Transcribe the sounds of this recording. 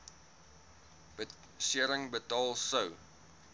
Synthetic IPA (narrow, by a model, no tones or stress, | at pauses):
siəɾəŋbətɑːlˠsəw